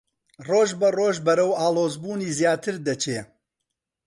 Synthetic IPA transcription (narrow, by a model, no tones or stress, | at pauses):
roːʒbɐroːʒbɐɾɐwaːlˠoːzbuːniːzjaːt̪ʰɨɾd̪ɐt͡ʃʰeː